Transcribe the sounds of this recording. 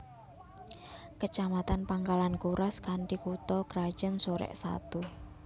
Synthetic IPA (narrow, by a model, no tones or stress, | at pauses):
kət͡ʃamat̪anpaŋkalankuɾʔaskaɳʈikut̪ɔkɾḁd͡ʒənsoɾɛ̰ʔsa̰t̪u